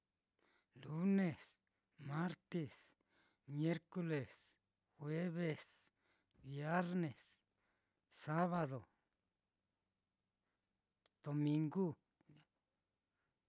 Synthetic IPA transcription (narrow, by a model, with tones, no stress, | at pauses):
lu˦ne˨s | ma˦ɾt̪i˨s | mje˦ɾku˧le˨s | xwe˦βe˨s | bje˦ɾne˨s | sa˦βa˧d̪o˨ | d̪̥o˧mi˧ŋɡu˦